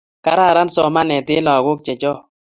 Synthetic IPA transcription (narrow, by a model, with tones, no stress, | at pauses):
ka˦ɾa˦˨ɾa˦nsɔ˦ma˦nɛ˨t̪ɪ˦lɔ˨ɡʊ˦k̚t͡ʃɛ˨t͡ʃɔ˦